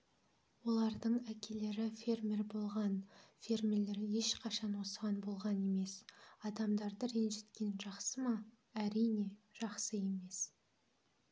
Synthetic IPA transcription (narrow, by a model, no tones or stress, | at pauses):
wo̞lˠɑɾd̪əɴækʲʰe̞le̞ɾɪfʲe̞rmʲe̞ɾbo̞lˠʁɑnfʲe̞rmʲele̞ɾɪje̞ʃqʰɑʃɑnwo̞səʁɑnbo̞lˠʁɑne̞me̞sɑd̪ɑmd̪ɑɾd̪əɾenʒe̞t̪kʲe̞nʒɑqsəmɑ | æɾijne̞ʒ̥ɑqsəje̞me̞s